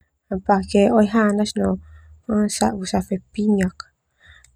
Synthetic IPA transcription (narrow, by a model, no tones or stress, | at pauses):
apakeojɦanasno | sa̰ʔβusafepiɲak